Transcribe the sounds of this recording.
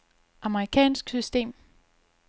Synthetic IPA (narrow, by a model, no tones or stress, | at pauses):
ʔɑ̈məʁikʰɛ̰ːnsɡ̥sysd̥e̝̰ːm